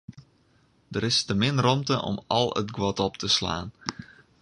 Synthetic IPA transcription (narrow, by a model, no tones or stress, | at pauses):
dəɾɪstəmɪnrɔmtəʔɔ̰mɑlˠə̰tɡwɔtɔp̚tʰəsla̰ːn